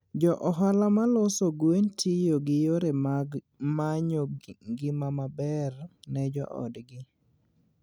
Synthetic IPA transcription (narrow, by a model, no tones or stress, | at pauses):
d͡ʒɔʔɔɦalamalosoɡwentijoɡɪjoɾe | maɲoɡɪmamabɛrnɛd͡ʒɔ̰ʔɔ̰dɡɪ